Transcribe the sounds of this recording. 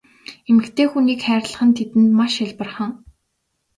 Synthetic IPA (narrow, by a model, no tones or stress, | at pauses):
emɘ̆kt̪ʰeːxuniːkχæːɾʲɮə̥̆χə̆nt̪ʰet̪ɘ̆nt̪maʃaɮpə̆rχə̆ŋ